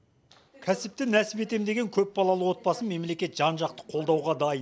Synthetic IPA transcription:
kʲʰæsɪp̚t̪ɪnæsɪbe̞t̪e̞md̪e̞ɡʲe̞ŋkʲʰɵpbɑlˠɑlˠəwo̞t̪̚bɑsəme̞mle̞kʲe̞t̪ʒ̥ɑnʒɑq̚t̪ə̥qʰo̞lˠd̪ɑwʁɑd̪ɑjə

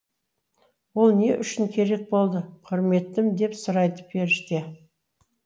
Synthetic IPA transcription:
wo̞lˠne̞ʔʏʃɪŋkʲʰe̞ɾe̞k̚bo̞lˠd̪əqʰʊɾme̞t̪ːɪmd̪e̞psʊɾɑjt̪ə̥p̚be̞ɾɪʃt̪e

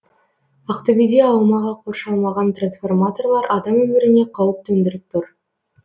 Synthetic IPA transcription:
ɑqt̪obijd̪eɑlˠmɑʁɑqʰo̞rʃɑlˠmɑʁɑnt̪ransfo̞rmat̪o̞rlˠɑɾɑd̪ɑmwɵmɪɾɪne̞qʰɑwəp̚t̪ʰɵnd̪ɪɾɪp̚t̪ʰʊɾ

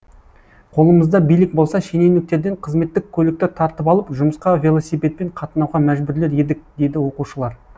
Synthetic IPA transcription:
qʰo̞lˠəməzd̪ɑbijlɪk̚bo̞lˠsɑʃene̞wnɪk̚t̪e̞ɾd̪e̞ɴqʰəzme̞t̪ːɪkʲʰɵlɪk̚t̪ɪt̪ʰɑɾt̪əpɑlˠəpʒʊməsqɑvʲe̞lˠo̞sijpʲe̞t̪̚pe̞ɴqʰɑt̪ənɑwʁɑmæʒbɪɾle̞ɾe̞d̪ɪk̚d̪e̞jd̪ɪwo̞quʃəlˠɑɾ

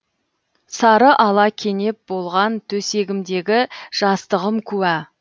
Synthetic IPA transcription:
sɑɾəʔɑlˠɑkʲʰe̞ne̞p̚bo̞lˠʁɑnt̪ʰɵse̞ɡʲɪmd̪e̞ɡʲɪʒ̥ɑst̪əʁəmkʲʰʉwæ

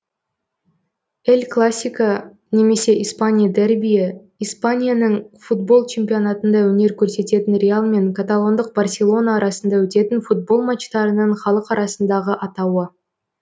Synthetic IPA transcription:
elʲklˠasʲːijka | ne̞me̞se̞ʔijspanʲijad̪erbʲija | ispanʲijanəɴfut̪bo̞lˠt͡ʃʰe̞mpijo̞nat̪ənd̪ɑwɵne̞ɾkʲʰɵɾse̞t̪e̞t̪ɪnɾʲealˠme̞ŋkʰat̪alˠo̞nd̪əq̚barsʲe̞lˠo̞naːɾɑsənd̪ɑwɵt̪e̞t̪ɪnfut̪̚bo̞lˠmat͡ʃt̪ɑɾənəɴχɑlˠəqɑɾɑsənd̪ɑʁəʔɑt̪ɑwə

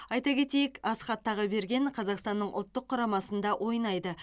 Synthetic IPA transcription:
ɑjt̪ɑkʲʰe̞t̪e̞jɪkɑsχɑt̪ːɑʁəbe̞ɾɡʲe̞ɴqʰɑzɑqst̪ɑnːəɴʔʊ̰lˠt̪ːəqʰːʊɾɑmɑsənd̪ɑʔwʔo̞jnɑjd̪ə

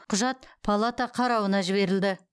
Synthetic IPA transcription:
qʰʊʒɑt̪̚pʰalˠat̪ɑqʰɑɾɑwənɑʒɪβe̞ɾɪld̪ɪ

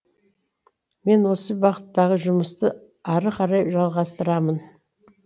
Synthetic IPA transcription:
me̞nwo̞səbɑqət̪ːɑʁəʒʊməst̪ə | ɑɾəqʰɑɾɑjpʒɑlˠʁɑst̪əɾɑmən

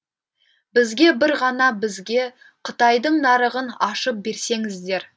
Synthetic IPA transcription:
bɪzɡʲe̞bɪɾʁɑnɑbɪzɡʲe̞ | qʰət̪ɑjd̪əɴnɑɾəʁənɑʃəp̚be̞ɾse̞ŋɪzd̪e̞ɾ

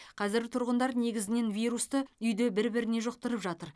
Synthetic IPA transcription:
qʰɑzɪɾɡʲɪt̪ʰʊɾʁənd̪ɑɾne̞ɡʲɪzɪne̞nvʲijɾust̪əʏjd̪e̞bɪɾbɪɾɪne̞ʒoq̚t̪əɾəpʒɑt̪əɾ

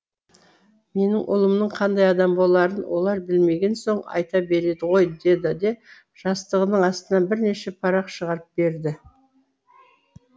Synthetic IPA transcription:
me̞nɪŋʔʊ̰lˠəmnəɴqʰɑnd̪ɑjɑd̪ɑmbo̞lˠɑɾənwʔo̞̰lˠɑɾbɪlme̞ɡʲe̞nso̞ɴɑ̰jt̪ɑbe̞ɾe̞d̪ɪʁo̞jd̪e̞d̪ɪd̪e̞ | ʒ̥ɑst̪əʁənəɴɑst̪ənɑnbɪɾne̞ʃe̞pʰɑɾɑqʃəʁɑɾəp̚be̞ɾd̪ɪ

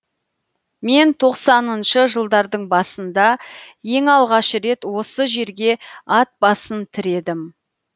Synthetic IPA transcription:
me̞nt̪ʰo̞qsɑnənʃəʒəlˠd̪ɑɾd̪əɴbɑsənd̪ɑje̞ŋɑlˠʁɑʃəɾe̞t̪wo̞səʒe̞ɾɡʲe̞ɑt̪̚bɑsənt̪ʰɪɾe̞d̪ɪm

